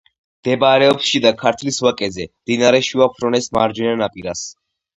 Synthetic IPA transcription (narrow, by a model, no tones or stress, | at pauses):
d̪̥ɛbɾɛɔpsʃid̪akʰaɾt̪ʰliswakʼɛzɛmd̪inaɾɛʃiapʰɾɔnɛsma̰ɾd͡ʒɛnanapʼiɾas